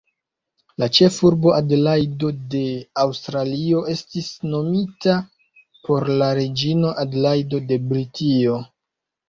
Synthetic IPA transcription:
lat͡ʃe̞fuɾbo̞ʔadlajdo̞de̞awstɾalio̞ʔe̞stisno̞mita | po̞ɾlaɾed͡ʒino̞ʔadlajdo̞de̞bɾitio̞

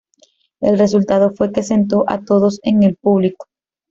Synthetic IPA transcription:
e̞̰lre̞s̬ult̪aðo̞fwe̞ke̞se̞nt̪o̞ʔa̰t̪o̞ðo̞se̞ŋe̞lpuβliko̥

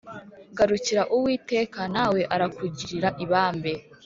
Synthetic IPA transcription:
ɡaɾuciɾaʔuwiːte̞ːkanaːwe̞ʔaɾakuɟiɾiɾaʔiβaːmbe

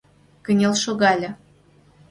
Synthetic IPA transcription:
kə̆nʲelʃoɣɑlʲɤ̆

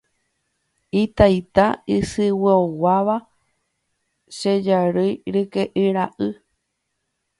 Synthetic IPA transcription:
it̪ajt̪aɨsɨwɨowaʋa | ʃed͡ʒaɾɨjɾɨkeʔɨɾaʔɨ

